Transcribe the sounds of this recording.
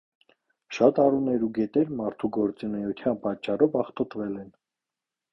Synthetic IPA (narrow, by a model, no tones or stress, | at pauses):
ʃɑt̪ɑrunɛɾuɡɛt̪ɛɾmɑɾt̪ʰuɡɔɾt͡sinɛjut̪ʰjɑnpɑt͡ʃːɑrɔvɑχt̪ɔt̪vɛlɛn